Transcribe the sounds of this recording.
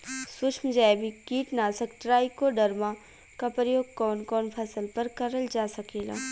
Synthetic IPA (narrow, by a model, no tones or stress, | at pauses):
sʊʃʰmd͡ʒaːjbʱikiːʈnaːsəkʈɾaːikoɖɐɾmã | kapɾəjoːɡ̚kɔːnkɔːnpʰɐsəlpɐɾkɐɾəld͡ʒaːsɐkeːla̰ː